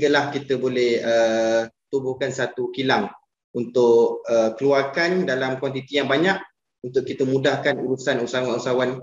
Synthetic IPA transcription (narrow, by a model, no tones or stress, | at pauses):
ɡəlahkit̪əbolɛhət̪ubʊhkansat̪ukilaŋ | unt̪ʊʔəkəluarkandalamkwant̪̬it̪ijaŋbaɲaʔ̚ | unt̪ʊʔkit̪əmũdahkanuɾusanusawanusawan